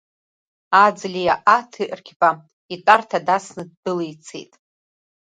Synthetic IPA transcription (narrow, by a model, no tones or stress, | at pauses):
ad͡zlʲijaʔatʰiʔʼrkʲʰpʼa | itʼartʰadasnɨd̚bɨlijt͡sʰḛjtʼ